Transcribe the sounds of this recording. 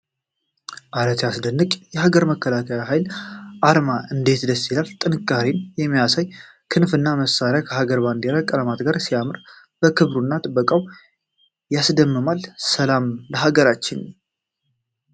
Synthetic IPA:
ʔaɾət̪ʰasd̪ənːɨkʼjɛhaɡəɾməkːəlakʰəjaɦajlʔaɾmaɨnd̪e̞t̪d̪əsːilalt̪ʼɨnɨkʼːaɾenjɛmːijasaj | kʰɨnfɨnːaməsːaɾejakʰəɦaɡəɾband̪eɾakʼəlamat̪ɡaɾsijamɨɾ | b̥əkʰɨβɾunːat̪ʼɨbːəkʼaw | jasd̪əmːɨmalsəlamləɦaɡəɾat͡ʃːɪn

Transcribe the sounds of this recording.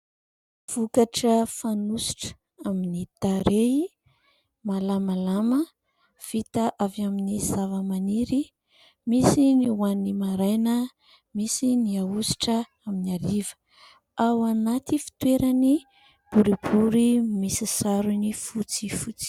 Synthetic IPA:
v̥ukaʈ͡ʂəfanusi̥ʈ͡ʂ | aminit̪aɾe | malamalamə | v̥it̪aʔavaminizavəmaniɾi | misiniwanimaɾajnə | misiniausi̥ʈ͡ʂə | aminaɾivə̥ | awanat̪ifi̥t̪weɾani | b̥uɾibuɾimisisaɾunifut͡sifut͡si̥

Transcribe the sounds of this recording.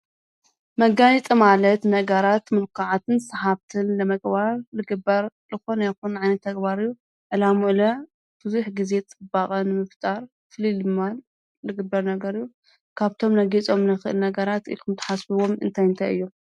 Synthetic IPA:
mɐɡanit̪ʼimalɐt̪nɐɡɐɾat̪mɨlkʰaʕat̪ʰɨnsɐhaβt̪ʰɨnlɐmɐɡbaɾlɨɡɨbːɐɾlɨxo̞najkunʕajnɐt̪ʰːɐɡbaɾɨjːu | ʕɨlamuʔɨlɐ | b̥ɨzuħɡize̞t͡sʼɨbakʼɐnɨmɨft̪ʼaɾ | fɨlilɨmːan | lɨɡɨbɐɾnɐɡɐɾɨjːu | kʰaβt̪ʰo̞mnɐɡit͡sʼo̞mnɐxɨʔɨ̰lnɐɡɐɾat̪ḭlkʰɨmt̪ʰɐ̥ħasbɨwomɨ̰nt̪ʰajɨnt̪ʰajɨ̰jːo

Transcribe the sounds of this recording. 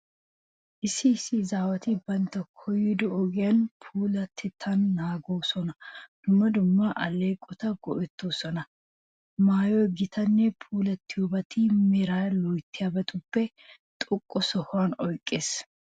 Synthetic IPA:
ʔɪsːɪːsːɪzaːwɐt̪ɪbɐnt̪ːɐkʰɔjːɪd̪ɔɔɡɪjɐnpʰuːlɐt̪ʰːɪt̪ʰːɐnːaːɡoːsɔnɐd̪̥ʊmːɐd̪ʊmːɐʔɐlejkʼɔt̪ɐɡɔʔɛt̪ːoːsɔnɐ | maːjɔjɡɪt̪ʰɐnːɛpʰuːlɐt̪ːɪjɔbɐt̪ɪmɛɾaːlɔjt̪ʰːɪjaːbɐt̪ʊpːɛ | t̪ʼɔkʼːɔsɔhʊaːnɔjkʼːeːs

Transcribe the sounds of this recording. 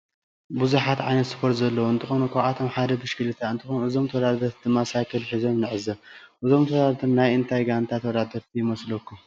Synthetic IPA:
buzuħat̪ʕa̰jnɐt̪spʰoɾt̪zɐlːɐwoɨnt̪ʰɨxo̞nukʰʷaat̪ʰomħad̪ɐb̪ɨʃkɨlɨt̪ʰaɨnt̪ʰɨxo̞nuɨzo̞mt̪ʰɐwd̪ad̪ɐɾt̪ʰɨmasakʰɐlħizo̞mnɨʕɨzɐʔɨzo̞mt̪ʰɐwd̪aɾt̪ʰɐmnajɨnt̪ʰajɡant̪ʰat̪ʰɐwd̪ad̪ɐɾt̪ʰijɪmɐslokʰːu

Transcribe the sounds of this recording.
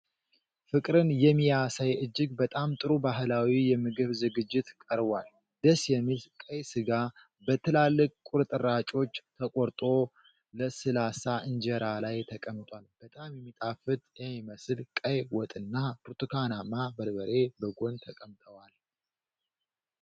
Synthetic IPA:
fɨkʼɾɨnjɛmːijasajɨd͡ʒːɨɡbət̪ʼamt̪ʼɨɾubaɦɨlawijɛmɨɡɨβzɨɡɨd͡ʒːɪt̪kʼəɾbal | d̪əsjɛmːilkʼəjsɨɡa | bət̪ʰɨlalːɨkʼkʼʊɾt̪ʼɨɾat͡ʃʼo̞t͡ʃːt̪ʰəkʼoɾt̪ʼo̞ | ləsɨlasaʔɨnd͡ʒəɾalajt̪ʰəkʼəmt̪ʼwalb̥ət̪ʼamjɛmːit̪ʼafɨt̪ʼjɛmːiməsɨlkʼəjwɔt̪ʼɨnːapɨɾt̪ʰɨkʰanamːabəɾbəɾe̞bəɡo̞nt̪ʰəkʼəmt̪ʼəwal

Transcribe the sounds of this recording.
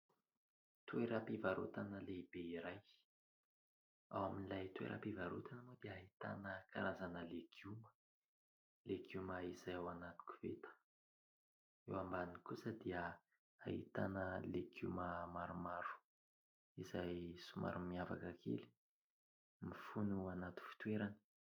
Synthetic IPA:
t̪ueɾapivaɾo̰t̪anəleibeiɾaj | a̰waminlajt̪uḛɾʔa̰pivaɾut̪anəmod̪eaɦit̪a̰nəka̰ɾazanəleɡ̥umə̥ | leɡumaizajawanat̪u̥ku̥vet̪ə̥ | ewambanikusəd̪iə | a̰hḭt̪anəleɡuməmaɾumaɾu̥ | izajsuma̰ɾumiava̰kəkʰḛli̥ | mifunuanat̪u̥fi̥t̪weɾani̥

